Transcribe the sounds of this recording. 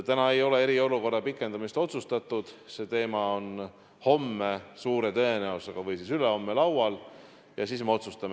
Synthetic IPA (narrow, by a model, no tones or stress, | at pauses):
t̪ænɑe̞jo̞le̞e̞ɾio̞luko̞rːɑpikːˑe̞nd̪̥ɑmist̪o̞t̪sust̪ɑt̪ːˑud̪̥se̞t̪e̞ːmɑo̞n | ho̞mːesuːɾe̞t̪ɤ̞e̞næuseɡ̥ɑvɤjsisyleho̞mːelɑwwɑl | jɑsiːsmeo̞t̪sust̪ɑm